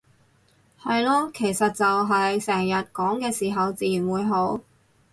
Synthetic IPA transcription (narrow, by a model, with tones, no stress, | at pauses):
hɐ˨jlɔː˧kʰe˨˩jsɐ˨t̚t͡sɐ˨wɦɐ˨jsɛː˨˩ŋjɐ˨t̚kɔː˨˥ŋkɛː˧siː˨˩ɦɐ˨wt͡siː˨jy˨˩nwuː˨˧jɦo˨˥w